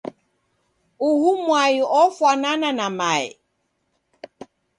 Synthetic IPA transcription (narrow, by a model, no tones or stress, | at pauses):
uhumwaiɔfwanananamaḭ